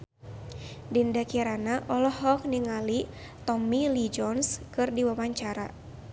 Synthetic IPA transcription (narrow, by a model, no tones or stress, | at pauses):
dindakiaɾanaʔɔlɔhɔk̚niŋali | t̪ɔmilid͡ʒɔnskɨrdiwawaɲt͡ʃaɾa̰